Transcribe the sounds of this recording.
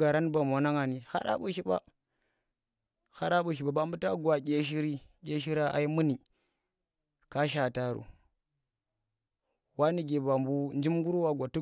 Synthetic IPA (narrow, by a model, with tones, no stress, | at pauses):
a˨ɾa˦nba˨m˨a˨na˦ŋa˨ni˨ha̰˦ɾa̰˦ɓu˨ʃi˦ɓa̰˦ | ha˦ɾa˦ɓu˨ʃ̬i˨ɓa˨ba˨mbu˦ta˦ɡwa˨ɡʲe˦ʃ̬i˦ɾi˦ɡʲe˦ʃi˦ɾa˦a̰˨i˦mu˦ni˨ | ka˦ʃ̬a˨ta˨ɾṵ˨ | wa˦ni˨ɡe˨ba˨mbu˦nd͡ʒi˦mɡu˦ɾu˦wa˦ɡʷa˨tu˦